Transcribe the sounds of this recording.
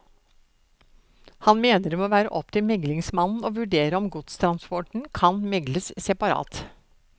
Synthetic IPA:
hɑnmeːnəɾmɛoːʋæːɾə̰ʔɔp̚t̪ɪlmɛɡlɪŋsmɑnn̩oːʋʉɖeːɾəɔmɡʊt̪st̪ʰɾɑnspɔʈɳ̩kʰɑnmɛɡləssɛpɑɾɑ̰ːt̪

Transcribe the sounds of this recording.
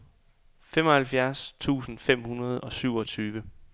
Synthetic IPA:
femɒ̽hælfjæɐst͡sʰṵːsn̩fem̰hunɐð̞̩ˠɒ̽syʊ̰ɒ̽t͡sʰyːʋə

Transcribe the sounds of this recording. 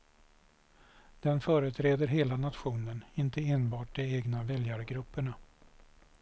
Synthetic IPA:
d̪̥ɛnfœːɾət̪ʰɾeːd̪əɾɦeːlanat̪ɧuːnənɪnt̪əeːnbɑːʈ̚d̪ɛeːɡnavɛljaɾɡɾɵpːəɳa

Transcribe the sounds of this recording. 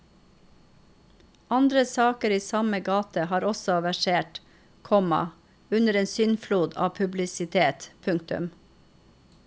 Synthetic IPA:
ɑnd̪ɾəsɑːkəɾiːsɑməɡɑːt̪əhɑːɾɔsɔʋæʃeːʈ | kʰɔmɑ̰ | ʉnəɾeːnsʏnfluːd̪ɑ̰ːpʰʉblɪsɪt̪ʰeːt̪pʰʉŋkt̪ʉ̰m

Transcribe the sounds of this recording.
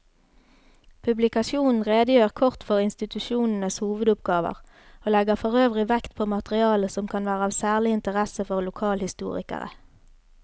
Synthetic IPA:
pʰʉblɪkɑʃjuːnn̩ʁeːd̪əjøːʁkʰɔʁt̪fɔʁɪnst̪ɪt̪ʉʃuːnn̩əshuːʋəd̪ʊpɡɑːʋə̰ʁ | oːlɛɡəʁfɔʁøːʋʁɪʋɛkt̪pʰoːmɑt̪əʁɪɑːləsɔmkʰɑnʋæːʁəɑːʋsæːʁlɪɪnt̪əʁɛsəfɔʁlʊkʰɑːlhɪst̪ṵːʁɪ̰kə̰ʁə̰

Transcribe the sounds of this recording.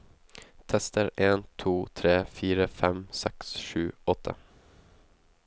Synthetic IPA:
t̪ʰɛst̪əɾeːnt̪ʰuːt̪ʰɾeːfiːɾəfɛmsɛksʃʉːɔt̪ʰːə̰

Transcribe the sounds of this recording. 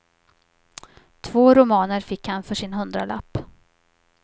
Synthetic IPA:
t̪ʰvoːɾʊmɑːnəɾfɪkhanfœʂɪnɦɵnd̪ɾala̰pː

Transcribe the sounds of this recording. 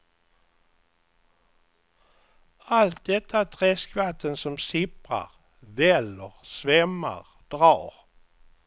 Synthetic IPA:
alt̪̚d̪ɛt̪ʰːaæt̪ʰɾɛːskvat̪ʰːənsɔmsɪpɾa̰ɾ | vɛlːəɾsvɛmːa̰ʁ | d̪̥ɾɑːɾ

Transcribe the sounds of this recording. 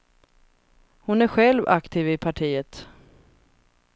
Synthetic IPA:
hʊnæɾɧɛlva̰kt̪ʰiːvɪpʰaʈʰiːət̪

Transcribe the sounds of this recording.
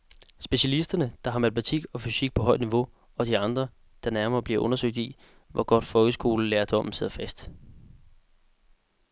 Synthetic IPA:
sb̥e̝ɕælisd̥ɐnəd̥ɑ̈ɦɑ̈mæt͡sʰmæt͡sʰiɡ̥ɒ̽fysiɡ̥̚pʰɒ̽ɦɒ̽ɪ̰d̥niʋo̝ | ɒ̽d̥iɑ̈nd̥ʁɐ | d̥ɑ̈næɐmɐːb̥liɐʔɔ̽nɐsøɡ̥̚d̥i | ʋʔɒɡ̥ɒ̽d̥fɒ̽lɡ̥əsɡ̥o̝ːləleːɐd̥ɒmm̩se̝ð̞̰ˠɐfæsd̥

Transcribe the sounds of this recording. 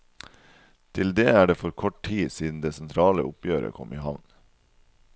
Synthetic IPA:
t̪ʰɪld̪eːæːɖeːfɔɾkʰɔʈ̚ʈʰiːsiːd̪n̩d̪eːsɛnt̪ʰɾɑːlə̰ʔʊpjøːɾə̰kʰɔ̰mʔiːɦɑʋn

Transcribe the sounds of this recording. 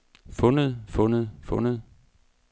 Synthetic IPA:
fɔ̽nəð̩ˠfɔ̽nəðˠfɔ̽nəðˠ

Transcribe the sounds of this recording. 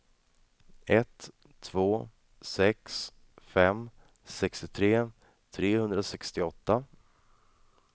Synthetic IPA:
ɛt̪ʰː | voː | sɛks | fɛm | sɛkst̪ɪt̪ʰɾeː | t̪ʰɾeːhɵnd̪ɾasɛkst̪ɪɔt̪ːa

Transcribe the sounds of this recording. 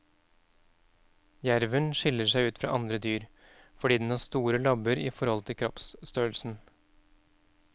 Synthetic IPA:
jæɾʋənʃɪləʂæɪʉːt̪fɾɑ̰ːʔɑnd̪ɾəd̪yːɾ | fɔɖiːd̪ɛn̩hɑːst̪uːɾəlɑbəɾiːfɔɾhɔlt̪ʰɪlkʰɾɔpsst̪øːlsn̩

